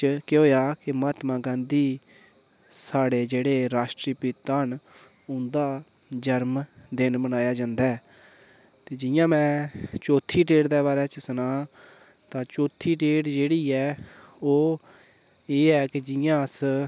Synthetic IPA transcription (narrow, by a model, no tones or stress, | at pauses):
kɪɦoːjaːkɪmaːt̪mãːɡãːnd̪iː | saːɽeːd͡ʒeːɽeːɾaːʃʈɾiːpɪt̪ːaːn | ʊ̃nd̪aː | d͡ʒəɾmd̪ɪnbənaːjaːd͡ʒãːnd̪aː | t̪eːd͡ʒɪjãːmɛ̃ːt͡ʃoːt̪ʰːiːʈeːɽd̪ɛːbaːɾɛːt͡ʃəsnãː | t̪ãːt͡ʃoːt̪ʰːiːʈeːʈd͡ʒeːɽiːɛː | oː | eːɛːkɪd͡ʒɪjãːs